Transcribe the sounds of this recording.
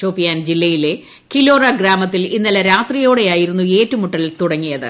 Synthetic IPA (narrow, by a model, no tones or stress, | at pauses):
o̞ːpːikːaːnd͡ʑilːɐjile̞ | kilo̞ːrɐɡɾaːmɐt̪ːilinːɐlɐɾaːt̪rijo̞ːɽe̞jaːjiɾunːue̞ːtːumuʈːɐlt̪uɽɐŋːijɐðɨ̰